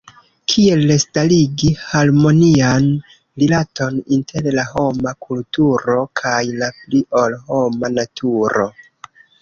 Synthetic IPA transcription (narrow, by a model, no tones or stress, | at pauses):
kʰie̞lːestaliɡihaɾmo̞nian | lilato̞nintʰe̞ɾlaho̞makʰultuɾo̞kʰajlapliolho̞manatʰuɾo̞̰